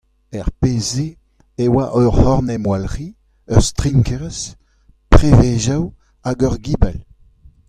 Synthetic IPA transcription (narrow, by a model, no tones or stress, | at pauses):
ɛʁpeːzeː | waʔœʁhɔʁnɛmwalʁi | œʁst̪ʁiŋkɛʁs | pʁeveʒaw | aɡœʁɡiːbɛl